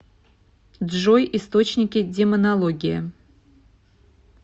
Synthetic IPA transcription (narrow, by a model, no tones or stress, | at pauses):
d̪ʐojʔist̪ot͡ɕnʲɪkʲɪdʲemənalˠoɡʲɪjə̰